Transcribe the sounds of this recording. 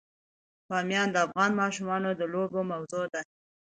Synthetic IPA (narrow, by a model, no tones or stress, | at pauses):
pɑmjɑnd̪əafɣɑnmɑʃumɑnod̪əlobomawzod̪a